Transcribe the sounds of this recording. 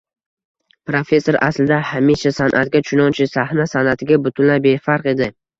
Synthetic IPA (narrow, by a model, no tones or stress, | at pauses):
pɾofe̞sːoɾa̰slɪd̪ahamiʃasanʔat̪̚ɡʲat͡ʃʰʊnɒnt͡ʃʰɪsahnasanat̪ʰɪɡʲabʊt̪ʰʊnlabe̞faɾqe̞d̪ɪ